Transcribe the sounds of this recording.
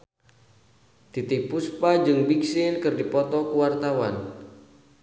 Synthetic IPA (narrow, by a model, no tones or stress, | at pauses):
t̪it̪ɪk̚puspad͡ʒɨŋbiksɪnkɨrdipɔt̪ɔkuwart̪awa̰n